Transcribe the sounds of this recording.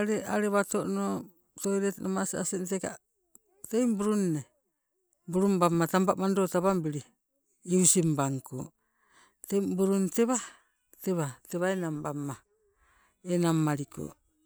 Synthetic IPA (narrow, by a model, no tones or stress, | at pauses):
aɾeʔaɾeβatoʔno | tojɾetnomasia̰senteka̰ | tejmbuɾunːe | buɾumbamːatambaʔmandotaβambiɾi | iusimbaŋko̰ | tebuɾunteβa | teβateβaenambamːa | enamːaɾiko̰